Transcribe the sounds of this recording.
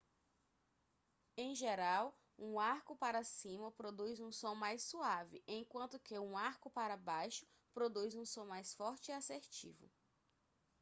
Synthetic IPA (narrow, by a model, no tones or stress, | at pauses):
ẽj̃ʒeɾaw | ũaɾkʊpaɾɐsĩmɐpɾod̪ujzũsõw̃majsuavɪʔẽj̃kwɐ̃nt̪ʊkɪũaɾkʊpaɾɐbajʃʊ̥ | pɾod̪ujzũsõw̃majsfɔɾt͡ʃɪiaseɾt͡ʃḭvʊ̰